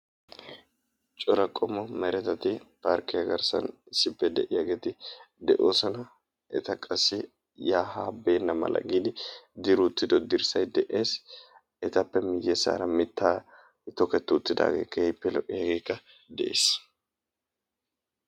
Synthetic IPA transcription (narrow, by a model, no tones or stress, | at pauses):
t͡ʃʼɔɾɐkʼːɔmɔmɛɾɛt̪ɐt̪ɪpaɾkɪjɐɡɐɾsɐ̰nɪsɪpːɛd̪ɛʔɪjɐɡe̞ːt̪ɪd̪ɛʔo̞ːsɐnɐ | ɛt̪ɐkʼɐsːɪ | jaːhaːbeːnːɐmɐ̰lɐ̰ɡiːd̪ɪd̪ɪɾʊt̪ːɪd̪ɔd̪ɪɾsɐjd̪ɛʔeːs | ɛt̪ɐpːɛmɪjːesa̰ːɾɐmɪt̪ːaː | t̪ːɔkɛt̪ːʊʊt̪ːɪd̪a̰ːɡe̞̰ːkːɐhɪpːɛlɔʔʼːɪjɐɡe̞ːkːɐ | d̪ɛʔḛːs